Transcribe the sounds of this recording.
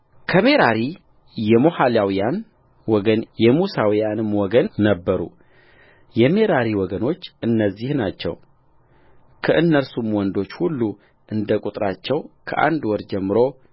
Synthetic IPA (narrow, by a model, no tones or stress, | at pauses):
kʰəme̞ɾaɾi | jɛmo̞haljawijan | wɔɡənjɛmusawijanɨmwɔɡənːəbːəɾṵ | jɛme̞ɾaɾiwɔɡəno̞t͡ʃːʔɨnːəzːihnat͡ʃːɛ̰w | kʰəʔɨnːəɾsumwɔnd̪o̞t͡ʃːhulːu | ʔɨnd̪əkʼut̪ʼɾat͡ʃːɛwkʰə̰ʔa̰nd̪wɔɾd͡ʒɛmːɨɾo̞